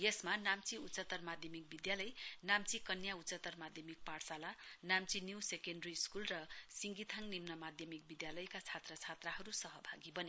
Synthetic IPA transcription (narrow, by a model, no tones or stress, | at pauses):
jesmanamt͡siut͡sʌt̪ʌrmad̪ʱjʌmik̚bid̪jalʌjnamt͡sikʌnjaut͡sʌt̪ʌrmad̪ʱjʌmik̚parsalanamt͡sinjuwsekenɖriskulrʌsiŋɡit̪ʰaŋnimnʌmad̪ʱjʌmik̚bid̪jalʌjkat͡sʰat̪rʌt͡sʰat̪raɦʌɾusʌɦʌbʱaɡibʌni